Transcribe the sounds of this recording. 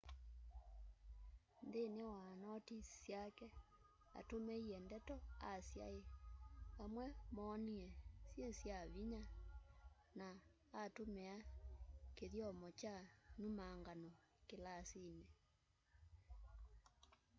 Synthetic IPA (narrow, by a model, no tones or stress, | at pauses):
ndenewanɔtisjakɛ | a̰tomɛiɛndɛtɔasja̰e | amwɛmɔːniɛsjesjaβiɲa | naː | tomɛa | keðjɔmɔt͡ʃanumaŋɡano | kelasine